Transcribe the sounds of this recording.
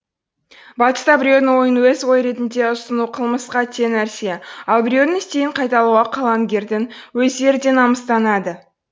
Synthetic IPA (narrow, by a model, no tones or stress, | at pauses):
bɑt̪ə̥st̪ɑbɪɾʲed̪ɪnwo̞jənwɵzwo̞jɾe̞t̪ɪnd̪e̞ʊsənuqʰəlˠməsqɑt̪ʰe̞næɾseɑlˠbɪɾʲewnɪnɪst̪e̞jɪɴqʰɑjt̪ɑlˠuʁɑqʰɑlˠɑŋɡʲe̞ɾd̪ɪnwɵzd̪e̞ɾd̪e̞nɑməst̪ɑnɑd̪ə